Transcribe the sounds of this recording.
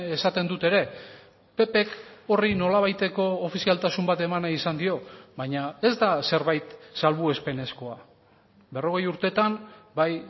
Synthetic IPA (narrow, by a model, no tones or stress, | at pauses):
esat̪e̞nd̪ut̪e̞ɾe̞ | pe̞pe̞ko̞rino̞laβ̞ajt̪e̞ko̞ːfisialt̪asumbat̪e̞manaisand̪io̞βaɲae̞zd̪ase̞ɾβajt̪salβue̞spe̞ne̞sko̞a | be̞ro̞ɣ̞e̞juɾt̪e̞t̪ambaj